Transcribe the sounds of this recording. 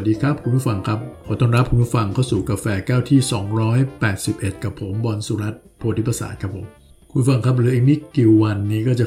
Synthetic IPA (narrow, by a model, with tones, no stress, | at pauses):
t̚diː˧kʰɾa˦˥p̚kʰu˧npu˥˩fa˧ŋkʰa˦˥p̚ʰɔː˨˩˦t̪ɔː˥˩nɾa˦˥p̚ʰkʰu˨˧˦npu˥˩fa˧ŋkʰa˥˩wsuː˨˩kaː˧fɛː˧kaː˥˩wt̪ʰiː˥˩sɔː˩˦ŋɾɔː˦˥jpɛː˨˩t̪̚si˨˩p̚ʔe˨˩t̪̚ka˨˩pʰːo˩˦mbɔː˧nsu˧˦ɾa˦˥t̪̚pʰoː˧t̪ʰi˦˥pɾa˧sa̰ː˨˩a˦˥pʰːo˩˦m | kʰu˧˩fa˧ŋkʰa˦˥p̬̚ɾɯː˩˦ʔiː˨˩k̚mi˦˥ki˨˩wwa˧nːiː˦˥kɔː˥˩t͡ɕa˨˩